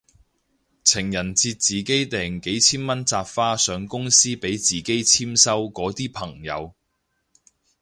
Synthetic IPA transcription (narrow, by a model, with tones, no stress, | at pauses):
t͡sʰɪ˨˩ŋjɐ˨˩nt͡siː˧t̚t͡siː˨ke˨˥jt̪ɛː˨˩ŋke˨˥jt͡sʰiː˥nmɐ˥nt͡saː˧pfaː˥sœː˨˧ŋkʊ˥ŋsiː˥pe˨˥jt͡siː˨˩ke˥jt͡sʰiː˥msɐ˥wkɔː˨˥t̪iː˥pʰɐ˨˩ŋjɐ̰˨˧w